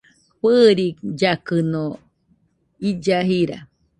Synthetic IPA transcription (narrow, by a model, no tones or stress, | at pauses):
ɸɨɾid͡ʒakɨno | id͡ʒaɦiɾa̰